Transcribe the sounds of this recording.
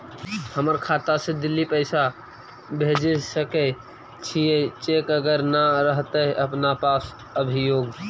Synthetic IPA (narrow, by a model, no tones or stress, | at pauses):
həməɾkʰat̪ased̪ilːipəɪsa | bʱed͡ʒesəkə | t͡ʃʰijet͡ʃekəɡəɾnəɾəɦt̪əɦʔəpnapas | əbʱijoːɡ